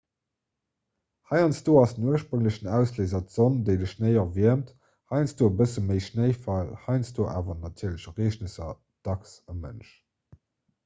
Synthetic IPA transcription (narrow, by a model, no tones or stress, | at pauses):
hɑɪɑnsd̥oːɑsd̥ənuəʃpʁəŋləɕənæʊsleːzɐtz̥ondeɪdəʃnəɪɐviɐmt | hɑɪnsd̥oːbəsəməɪʃnəɪfɑlhɑɪnsdoːʔa̰ːvɐnɑtʰiːɐləɕʁeːʃnəsɐ | d̥ɑksɑmə̰nʃ